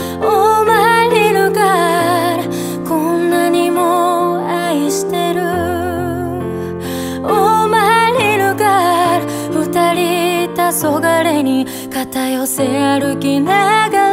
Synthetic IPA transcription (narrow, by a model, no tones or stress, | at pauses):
omaɾʲinɯɡaɾa | konːaɲimo | aiɕi̥t̪e̞ɾɯ | omaɾʲinɯɡaɾa | ɸɯ̟t̪aɾʲit̪aso̞ɡaɾe̞ɲ̟i | kat̪ajo̞se̞aɾɯ̟kʲinaɡa